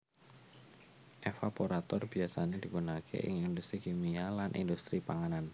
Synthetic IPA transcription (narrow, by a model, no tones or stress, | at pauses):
ʔefapoɾat̪ɔrbiasaned̥̪ipunakʰḛʔɪ̰ŋind̪ust̪ɾikimialanʔḭnd̪ust̪ɾipaŋanan